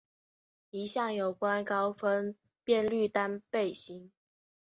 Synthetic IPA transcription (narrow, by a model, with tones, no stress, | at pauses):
i˧˥ɕjɑ˥˩ŋjo˨˩ʊkwa˦nkɑ˦ʊfə˦n | pjɛ˥˧nly˥˨t̪a˥npe˥˨ɪɕi˧˦ŋ